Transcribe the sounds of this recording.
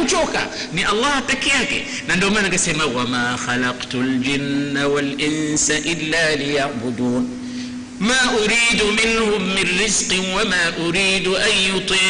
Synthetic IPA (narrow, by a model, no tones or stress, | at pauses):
t͡ʃuːka̰ | niʔɑlˤːɑːhat̪ːakːijaːkḭ | nand̪omanaɡasamawamaːxalɑqt̪ʊld͡ʒɪnːawalʔɪnsaʔɪlːaːlɪjaʕbʊd̪uːn | maːʔʊɾiːd̪mɪnhʊmːɪnːɪzqwamaːʔʊɾiːd̪ʔanjʊt̪ˤiː